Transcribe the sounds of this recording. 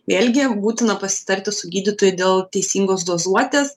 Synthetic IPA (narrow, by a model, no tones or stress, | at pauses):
ʋʲeːlʲɡʲɪbuːt̪ʲɪnɐpɐsʲɪ̥t̪ɐɾʲt̪ʲɪsʊɡʲiːd̪ʲɪt̪oːjɛd̪ʲeːlˠt̪ʲɛɪsʲiːŋɡoːsd̪oːzuɔt̪ʲeːs